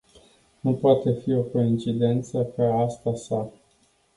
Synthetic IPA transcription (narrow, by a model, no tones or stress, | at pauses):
nupoat̪e̞fio̞ko̞int͡ʃid̪e̞nt̪səkəast̪asa